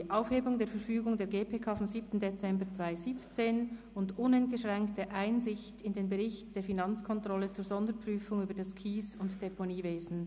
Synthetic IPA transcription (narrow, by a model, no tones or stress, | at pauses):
iʔaʊfheːbʊŋdeːɐfɛɐɾfyːɡʊŋdeːɾɡeːpʰeːkʰaːfɔmziːp̚tn̩det͡sɛmbət͡sv̥aɪziːpt͡seːn | ʊndʊnɛnt̚ɡ̥əʃʁɛŋktəʔaɪnzɪçtɪndeːnbəʁɪçtd̥eːfinɑnt͡skʰɔntʁ̥ɔlət͡suːɹzɔndəɾpʁ̥yːfʊŋyːbədɑskʰiːsʊntd̥eponiːveːzn̩